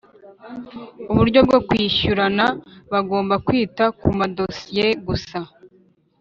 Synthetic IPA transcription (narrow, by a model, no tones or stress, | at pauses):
uβuɾɟo̞b̚ɡo̞kwiːʃuɾanaβaɡo̞ːmbakwiːtakumado̞sije̞ɡusa